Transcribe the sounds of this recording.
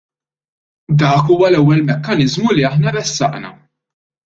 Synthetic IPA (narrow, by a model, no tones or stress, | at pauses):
d̪ɐːkuːwɐlɛwːɛlmɛkːɐnɪzmuliɐħnɐɾɛsːɐ̰ʔnɐ̰